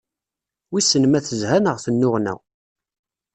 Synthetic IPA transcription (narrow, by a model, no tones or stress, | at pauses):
wisənmæθəzhænəʁθənːʊʁnæ̰ʁ